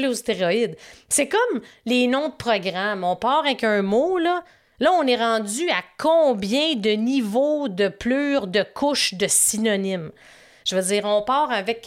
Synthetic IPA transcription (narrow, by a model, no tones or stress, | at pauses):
lost̪eʁɔɪd̪sɛkɔmlenɔ̃d̪əpʁɔɡʁamɔ̃ːpɑːʁavɛkœ̃molʌ | lʌɔ̃nɛʁɑ̃d͡zzyakʰɔ̃ːbjɛ̃d̪ənivod̪əpløːʁd̪əkʰʊʃd̪əsinɔnɪm | ʒ̥əvəd͡ziːʁɔ̃ːpɑːʁavɛk